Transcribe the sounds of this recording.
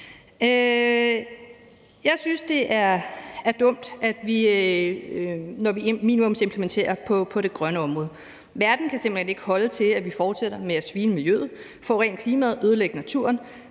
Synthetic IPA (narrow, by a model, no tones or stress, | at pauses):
ø | jɑ̈ɪsynsd̥e̝ʔæɐæɐd̥ɔ̽m̰d̥æd̥ʋi | nɒʋiminimɔ̽mse̝mpʰlement͡sʰe̝̰ːɐpʰɒ̽pʰɒ̽ɾ̥e̝ɡ̥ʁɶnəɒ̽mʁɔ̽ːð̞̩ˠ | ʋæɐd̥n̩kʰæsemb̥l̩hene̝ɡ̥əhɒ̽lət͡sʰe̝læʋifɒːd̥seɾ̥ɐmeæsʋiːnəmiljø̰ːð̩ˠ | fɒ̰̽ːʁɛ̰ːnkʰliːmæð̞̩ˠøð̞ˠəleɡ̥ənæt͡sʰuɐn